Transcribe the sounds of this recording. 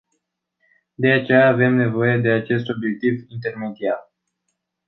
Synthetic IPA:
d̪e̞at͡ʃe̞jaːve̞mne̞vo̞je̞d̪e̞at͡ʃe̞st̪o̞bje̞k̚t̪ivint̪e̞rme̞d̪iar

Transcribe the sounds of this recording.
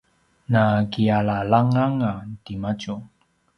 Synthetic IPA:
nakiaɭalaŋaŋatimat͡ʃu

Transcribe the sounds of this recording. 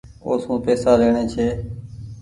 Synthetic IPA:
oːsũːpeːsaːɾeːɳeːt͡ʃʰeː

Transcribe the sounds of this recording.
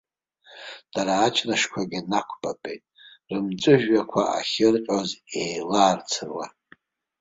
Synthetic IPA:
d̥aɾaːt͡ʃʰraʂkʷʰaɡʲɪnakʷʰbapʼejtʼrɨmt͡sʼɨʒᶣːakʷʰaʔaχʲɪrqʲʼozejlaːrt͡sʰɨrwa̰

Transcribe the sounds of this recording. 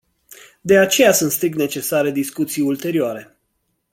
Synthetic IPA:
d̪e̞at͡ʃe̞jasunt̪st̪ɾik̚t̪ne̞t͡ʃe̞saɾe̞d̪iskut̪sijult̪e̞ɾioaɾe̞

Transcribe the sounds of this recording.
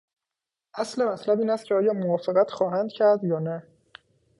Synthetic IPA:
ʔæsle̞mæt̪ʰlæbiːnæst̪cʰeɒːjɒːmovɒːfeɣæt̪xɒːɦænd̪̥cʰæɾd̪jɒːnæ

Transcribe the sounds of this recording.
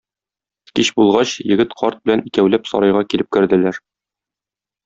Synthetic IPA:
kiɕbulˠʁɑɕjɘ̆ɡɘt̪qʰɒɾt̪̚bɘ̆lænikæwlæpsɒ̰ɾɑjʁɑkilɘp̚kɘ̆ɾd̪ɘ̆læɾ

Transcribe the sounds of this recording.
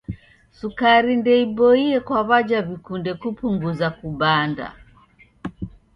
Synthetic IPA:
sukaɾindɛiɓɔiɛkwaβad͡ʒavikundɛkupuŋɡuzakuɓanda̰

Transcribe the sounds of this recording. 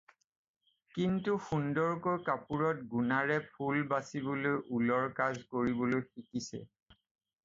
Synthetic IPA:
kintuxundɔɹkojkapuɹɔt̚ɡunaɹɛpʰulbasibɔlojʔulɔɹkazkoɹibolojxikisɛ̰

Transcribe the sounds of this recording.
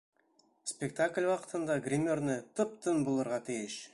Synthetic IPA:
spʲekt̪akʲlʲwɑqə̥̆t̪ɤ̆nd̪ɑɡrʲimʲornɘt̪ɤp̚t̪ənbolˠɤ̆ɾʁɑt̪ʰijɪʃ

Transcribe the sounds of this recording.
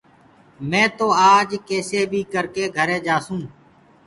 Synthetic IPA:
mɛ̃ːt̪oːaːd͡ʒkeːseːbʱiːkəɾkeːɡʱəɾẽːd͡ʒaːsũː

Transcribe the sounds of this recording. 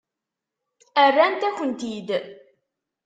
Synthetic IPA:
ərːænt̪æçənt̪id̪

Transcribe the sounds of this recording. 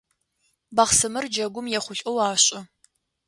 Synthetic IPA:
baχsɨmɨrd͡ʒɐɡʷʊmjɛχʷʊɬʷʼowaːɕʼɐ

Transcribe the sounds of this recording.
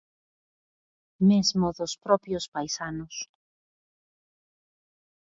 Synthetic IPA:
mezmoðospɾɔpjospajsanʊs

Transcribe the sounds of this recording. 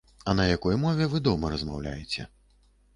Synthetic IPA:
ɐnɐjakɔjmɔvʲɛvɨd̪ɔmɐɾɐzmawlʲa̰jɛt͡sʲɛ̰

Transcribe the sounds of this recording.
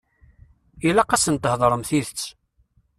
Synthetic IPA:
ilaqɑsənt̪əhðˤɾˤəmθiðət͡sː

